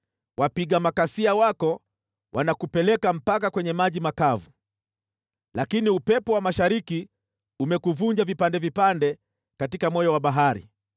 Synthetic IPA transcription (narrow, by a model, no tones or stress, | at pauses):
wapiɠamakasiawakɔ | wʔanakupɛlɛkam̩pakakwɛɲɛmaʄimakavu | lakiniupɛpɔwamaʃaɾiki | umɛkuvuɲd͡ʒavipandɛvipandɛ | katikamɔjɔwaɓaɦaɾḭ